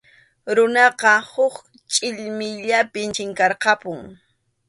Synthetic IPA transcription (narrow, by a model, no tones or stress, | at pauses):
ɾʊnɑqɑhʊk | t͡ʃʼɪʎmɪʎapɪnt͡ʃɪŋkɑɾqɑpʊŋ